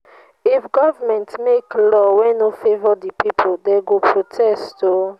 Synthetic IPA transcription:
ifɡɔvamɛ̃ntmeklɔwɛ̃nofevɔdipipʰodɛɡopʰɹotʰɛsto

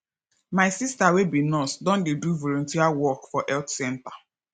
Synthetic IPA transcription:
maɪsistawebinɔsdɔ̃ndeduvolõntiawɔkfɔʔɛltsɛ̃nta

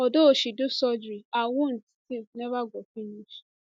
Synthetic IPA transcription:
ɔdooʃidosɔd͡ʒɾiawon̩ti̥tinɛβaɡʷɔfinĩʃu̥

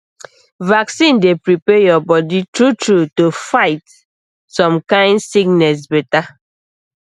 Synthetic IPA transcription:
vaksĩndepɹipɛjɔbɔditɹutɹutofaɪt | sɔ̃mkãɪ̃ndsiknɛs̬bɛta

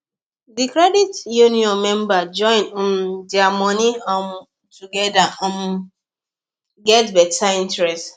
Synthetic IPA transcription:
dikɾɛditjuniɔ̃nmɛ̃mbad͡ʒɔ̃ɪ̃n̩m̩diamɔniam | tuɡɛdaam | ɡɛtbɛtʰaĩntɾɛst

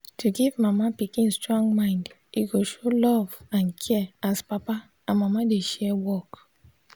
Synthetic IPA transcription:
tʰuɡivmamapikĩnstɹɔ̃ŋɡmãɪ̃nd | iɡoʃolɔvãnkʰɛaspapa | ãnmamadeʃɛwɔk

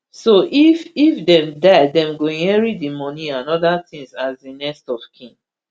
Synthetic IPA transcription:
soʔififdɛ̃mdaɪdɛ̃mɡoɛɹidimɔnĩãnɔdatĩŋsazdinɛstɔfkʰĩŋ

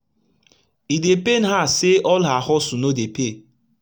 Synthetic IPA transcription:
idepen̩ɦaseʔɔlaɦɔsunodepe

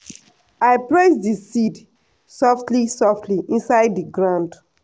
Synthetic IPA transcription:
aɪplesdisid | sɔftlisɔftʰliʔĩnsaɪdːiɡɹãnd

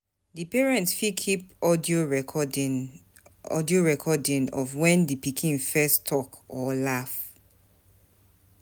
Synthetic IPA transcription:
dipɛɹɛ̃ntsfikʰipɔdio | ɔ̰dioɹɛkʰɔdĩnɔvwɛ̃ndipikʰĩnfɛstʰɔkɔlaf

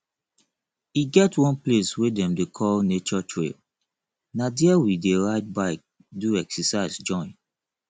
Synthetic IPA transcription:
iɡɛtwɔ̃npleswedɛ̃mdekʰɔlnet͡ʃɔtʰɹḛl | nadiawideɹaɪd̚baɪk̚ | duɛksɛsaɪzd͡ʒɔ̃ɪ̃n

